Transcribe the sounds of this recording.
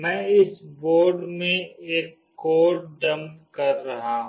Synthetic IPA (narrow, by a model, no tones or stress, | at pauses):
mɛ̃ːɪsboːɾɖmẽeːkːoːʈ̚ɖɐmkɐɾːɐɦaɦũ